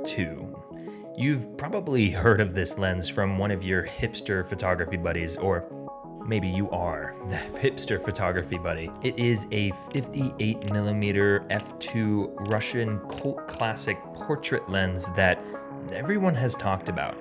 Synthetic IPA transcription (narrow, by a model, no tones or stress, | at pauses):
tʰʉ̰ | jʉv̥pʰɹ̥ɑbəblihɜ˞ɾʌvðɪslɛ̃ndz̥fɹʌ̃mwʌ̃ñʌvjə˞hɪpstə˞fɨtʰɑɡɹɨfibʌɾizə˞ | meɪbijɨʔə˞ðɨhɪpstə˞fɨtʰɑɡɹɨfibʌɾiɪɾɪzɨfɪftiʔeɪt̚mɪlˠəmiɾə˞ɛftʰʉɹʌʃɨ̃nkʰoʊlˠt̚kʰl̥æsɨk̚pʰɔɹt͡ʃɹ̥ɨʔˡlɛ̃ndzðɨt̚ | ɛvɹiwʌ̃nɨz̥tʰɔk̚tɨba̰ʊt̚